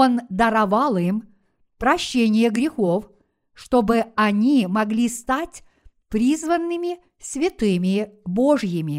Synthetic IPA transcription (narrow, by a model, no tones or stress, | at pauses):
o̞nd̪ɐɾɐvɑlˠim | pɾɐɕːenʲɪjəɡɾʲɪxo̞f | ʂt̪o̞bɨɐnʲimɐɡlʲist̪atʲ | pɾʲizvənːɨmʲɪ | sʲvʲɪt̪ɨmʲɪboʐjɪmʲɪ